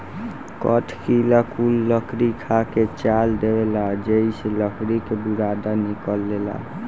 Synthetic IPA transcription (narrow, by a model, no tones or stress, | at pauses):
kəʈ̪ʰkilakulːəkʰɾikʰaket͡ʃald̪ewelad͡ʒeiseləkʰɾikebuɾad̪anikəlːela̰